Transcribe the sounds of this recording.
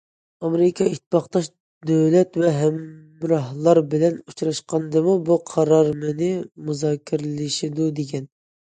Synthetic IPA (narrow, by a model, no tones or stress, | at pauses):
ɑmeɾɪkʰɑit̪ʰːɪpɑχt̪ɑʃ | d̪øwlɛt̪vɛɦɛmː | ɾɑhlˠɑɾbɪlɛnut͡ʃʰɾɑʃqɑnd̪ɨmubuqʰɑɾɑɾmɨnɪmuzɑːkʲʰːiɾɪlɪʃid̪ud̪eɡʲɛn